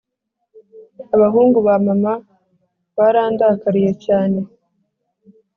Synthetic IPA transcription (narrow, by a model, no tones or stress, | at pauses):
aβaɦuːŋɡuβamama | βaɾaːndakaɾije̞caːne̞